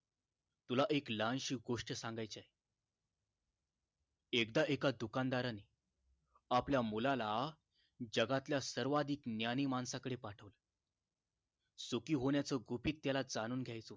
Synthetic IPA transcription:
t̪ulaʔeklanɕiːɡoʂʈəsãŋɡajt͡sae | ekd̪aʔekad̪ukand̪aɾane | apljamulala | d͡ʑəɡat̪ljasəɾʋad̪ʱiːknjaniːmansakəɽepaʈʰəʋlə | sukiːɦoɳjat͡səɡʱupiːt̪ːjalad͡zañuːnɡʱjajt͡so

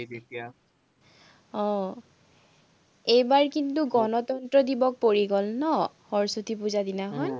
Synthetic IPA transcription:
etia | ɔ̃ | ejbaɹkintuɡɔnɔtɔntɹɔdibɔk̚poɹiɡɔlnɔhɔɹsutip̬uzadinaɦɔj

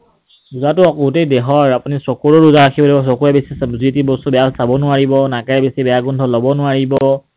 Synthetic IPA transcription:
uzatʊɔkɡutejdɛɦɔɹapunisɔkuɹɔɹuzaɹakʰibɔlibɔs̬ɔkuɹɛbesiszitibɔstubɛjalsabɔnʊaɹibɔnakɛɹɛbesibɛjaɡɔndʱɔlɔbɔnʊaɹibɔ

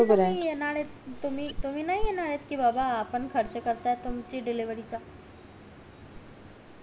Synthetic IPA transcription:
əɾaijenaɽet̪t̪um̤iːt̪um̤iːnaɦijenaɽet̪kiːbabaːpəɳkʰəɾt͡sekəɾt̪aɛt̪umt͡ɕiːɖiliʋəɾit͡sa

